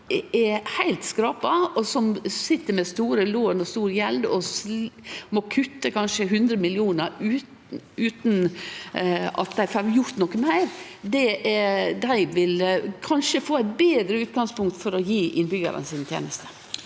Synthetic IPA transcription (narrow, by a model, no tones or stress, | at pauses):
ɛhæɪlt̪skɾɑːpɑɔsɔmsɪt̪ːəɾmɛst̪uːɾəloːnɔst̪uːɾjɛld̪ɔs | mɔkʰʉt̪ːəkʰɑnʂəɦʉnd̪ɾəmɪlɪuːnəɾʉː | ʉːt̪n̩ | ɑ̰t̪̚d̪æɪfɑɾjʊɾt̪nɔkːəmæɪɾd̪ɛʔɛd̪æɪʋɪlkʰɑnʂəfoːæɪt̪̚beːd̪ɾəʉːt̪̚ɡɑŋspʊŋk̚t̪fɔɾɔjiːʔɪnbʏɡə̰ɾə̰nsɪːnt̪ʰjḛːnəst̪ʰə̥